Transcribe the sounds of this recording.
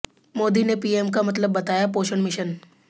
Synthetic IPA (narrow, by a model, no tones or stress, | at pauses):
moːd̪inepiːeːmkamɐt̪̬ləbːɐt̪aːjapoːʃənmɪʃən